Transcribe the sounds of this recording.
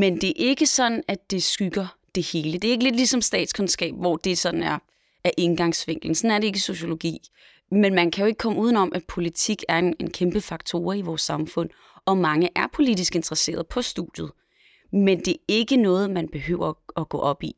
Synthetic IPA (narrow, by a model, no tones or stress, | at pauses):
mend̥e̝ɐʔe̝ɡ̥əsɒ̽d̥n̩æd̥e̝sɡ̥yɡ̥ɐd̥e̝he̝ːləd̥e̝e̝ɡ̥əle̝d̥lisɒ̽msd̥ɛ̰ːd̥skʰonsɡ̥ɛ̰ːb̥ʋɒ̰d̥e̝sɒ̽d̥n̩æɐ | æɐʔe̝nɡ̥ɑ̈ŋsʋeŋ̰ɡ̥l̩n̩sɒ̽næɐɾee̝ɡ̥əso̝ɕo̝lo̝ɡ̥ḭː | menmænkʰæjoe̝ɡ̥ə̥kʰɒ̽məuːðˠn̩ɒ̽mʔæpʰo̝lit͡sʰiɡ̥æɐenenkʰemb̥əfɑ̈ɡ̥̚t͡sʰo̝ːɐiʋɒːsːɑ̈mfɔ̽n̰ | ɒ̽mɑ̈ŋəʔæɐpʰo̝lid̥isɡ̥e̝nd̥ʁɐse̝̰ːɐðˠpʰɒ̽sd̥uð̥jð̞̩ˠ | mend̥e̝e̝ɡ̥ənɔ̽ːð̞̩ˠmænb̥e̝ɦø̰ʊ̰ɐɒɡ̥ɔ̰̽ːʔɒ̽b̥i